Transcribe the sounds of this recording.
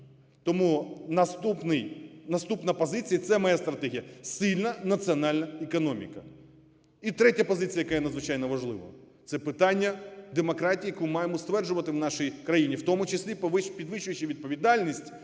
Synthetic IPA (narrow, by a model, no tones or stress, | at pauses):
t̪ɔmunɐst̪upnɪjnɐst̪upnɐpɔzɪt͡sʲijɐt̪sɛmɐjast̪ɾɐt̪ɛɦʲijɐsʲɪlʲnɐnɐt̪t͡sʲiɔnɑlʲnɐekɔnɔmʲḭkɐ | it̪ɾɛtʲɐpɔzɪt͡sʲijɐjɐkɛjɐnɐd̪zʋɪt͡ʃɑjnɔʋɐʒlˠɪʋɐ̰t̪sɛpɪt̪ɑnʲːɐd̪emɔkɾɑtʲijɐkumɑjemɔst̪ʋɛrʒʊʋɐt̪ɪwnɑʃijkɾɐjinʲiwt̪ɔmʊt͡ʃɪsʲlʲippʲid̪ʋɪʃʊjɪt͡ʃɪʋʲid̪̚pɔʋʲid̪ɑlʲnʲisʲtʲ